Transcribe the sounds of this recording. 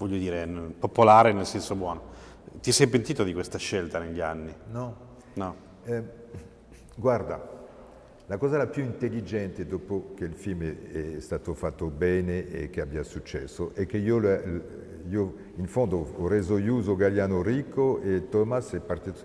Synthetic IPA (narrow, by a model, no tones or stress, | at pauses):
vɔʎːod̪iːɾenpopolaːɾenelsɛnsobwɔːno | t̪iɛsɛjpent̪iːt̪od̪ikwest̪aʃelt̪aneʎːianːinɔ | nɔ | ɛ | ɡward̪a | lakɔːzalapjuint̪elːid͡ʒɛnt̪ed̪opok̟elfilmeɛst̪aːt̪ofat̪ːobɛːneʔḛkːeabiasut͡ʃːɛ̰sːoʔɛk̟ːeioll | io | infond̪oːrezojuːzoɡaljaːnoɾikʰːoet̪ɔmasɛpːart̪it̪